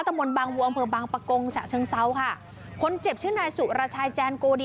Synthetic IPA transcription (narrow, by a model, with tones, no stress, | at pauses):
t̪ʰːmo˧nbaː˧ŋwu˧ʔa˧mpʰɤː˧baː˧ŋpa˧ko˧ŋt͡ɕʰa̰˨˩t͡ɕʰɯ˧˥əŋsa˦˥wkʰa˥˩ | kʰo˧nt͡ɕe˨˩p̚t͡ɕʰɯː˥˩ŋnaː˧jsu˨˩ʔɾaː˧t͡ɕʰaː˧jt͡ɕɛː˧nkoː˧di˧